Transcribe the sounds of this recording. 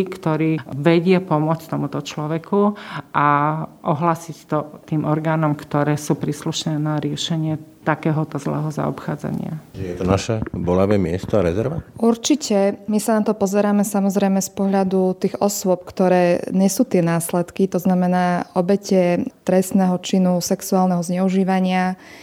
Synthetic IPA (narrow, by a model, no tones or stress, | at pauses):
kt̪ɔɾiːʋɛɟɪɛpɔmʊɔt͡scʲt̪ɔmut̪ɔt͡ʃlɔʋɛkuʔaʔɔɦlaːsict̪ɔt̪iːmʔɔɾɡaːnɔmkt̪ɔɾɛːsuːpɾiːsluʃnɛːnaɾɪɛʃɛɲɪɛt̪akɛːɦɔt̪ɔzlɛ̰ːɦɔza̰ɔ̰pxaːd͡za̰ɲɪa̰jɛt̪ɔnaʃɛbɔlaʋɛːmɪɛst̪ɔaɾɛzɛɾʋauɾt͡ʃicɛmisanat̪ɔpɔzɛɾaːmɛsamɔzɾɛjmɛspɔɦʎad̪ut̪iːɣɔsʊɔp̚kt̪ɔɾɛːɲɛsuːt̪ɪɛnaːslɛt̪kit̪ɔznamɛnaːɔbɛcɛt̪ɾɛst̪nɛɦɔt͡ʃinusɛksuaːlnɛɦɔzɲɛuʒiːʋaɲɪa